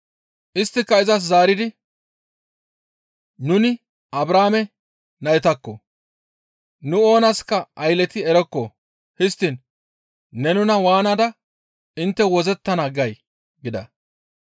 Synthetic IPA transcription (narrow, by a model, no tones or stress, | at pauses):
ʔɪst̪ːɪkːɐɪzɐs̬zaːɾɪd̪ɪ | nʊnɪ | ɐbɾaːmɛ | nɐjɛt̪ɐkːɔ | nʊo̞ːnɐskːɐʔɐjlɛt̪ɪɛɾɛkːɔ | hɪst̪ːɪnː | ɛnʊnɐwaːnɐd̪ɐ | ɪnt̪ːɛwɔzɛt̪ːɐnaɡɐj | ɡɪd̪ɐ̰